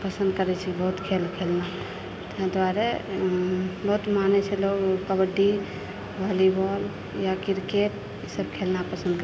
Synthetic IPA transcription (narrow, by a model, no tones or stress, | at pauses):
pəsə̃nd̪kəɾɛt͡ʃʰibəɦut̪kʰelkʰelna | t̪d̪waɾɛ | bəɦut̪manɛt͡ʃʰɛloɡkəbəɖi | bɔlibɔl | jakiɾkeʈ̚ | səbkʰelnapəsənd̪kə